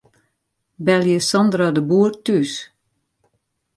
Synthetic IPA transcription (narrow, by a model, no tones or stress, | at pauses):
bɛljəsɔnd̪radəbuːrtys